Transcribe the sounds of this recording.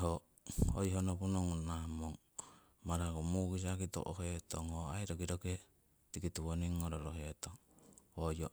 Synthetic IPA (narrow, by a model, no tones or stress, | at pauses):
ɦo | o̰jɦonopunoŋunahmoŋ | maɾaɡomuɡis̬akito̰ʔoɦetoŋhoajɾoɡiɾoke | tikituwoniŋːoɾoɾoɦetoŋ | ojo